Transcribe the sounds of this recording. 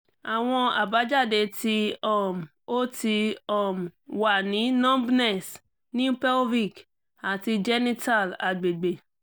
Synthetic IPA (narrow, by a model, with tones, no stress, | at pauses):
a˨w̃ɔ̃˧a̰˨ba˨˦d͡ʒa˦˨de˧ti˧ɔ˦˨m˨o˦ti˧ɔ˦˨m˨wa˨nĩ˨˦nɔ̃˦bnɛ˦˨s | nĩ˦u˦pɛ˦lvi˦˨k | a˨ti˧d͡ʒɛ˦nĩ˦ta˦˨la̰˨ɡ͡be˨ɡ͡be˨